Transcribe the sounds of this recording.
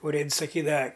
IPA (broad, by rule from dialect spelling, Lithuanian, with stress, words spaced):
ʊˈrʲeːts sɐˈkʲiːdɐʋɐ